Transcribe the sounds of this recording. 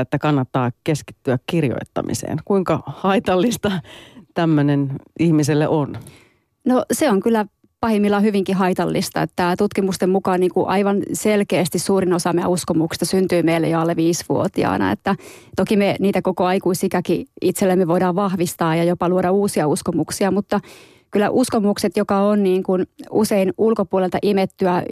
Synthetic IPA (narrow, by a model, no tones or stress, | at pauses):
et̪ːækɑnːɑt̪ːɑːkeski̥t̪ːyækkirjo̰it̪ːɑ̰mḭsḛːnkuiŋkɑhɑit̪ɑlːist̪ɑt̪æmːønenihmiselːḛʔon | noseoŋkylːæ | pɑhimːilːɑhyʋiŋkiɦɑit̪ɑlːist̪ɑ̰et̪ːæt̪ut̪kimust̪emmukɑːnniːŋkuʔɑiʋɑnselkeːst̪issuːrinosɑmeɑ̰uskomuksi̥st̪ɑsynt̪yːmeilːḛjoɑlːeʋiːsʋṵot̪iɑ̰ːnɑ̰ḛt̪ːæt̪okimeniːt̪ækokoɑikuisikækiit̪selːemːeʋoidɑːʋʋɑhʋist̪ɑːjɑjopɑluoɾɑuːsiɑuskomuksiɑmut̪ːɑ | kylːæ̰ʔuskomukset̪jokɑonniːŋkunuseinulkopuolelt̪ɑʔimet̪ːyæ